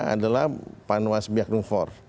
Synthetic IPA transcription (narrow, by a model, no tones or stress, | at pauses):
a̰dalahpanwasbiak̚nuŋfɔr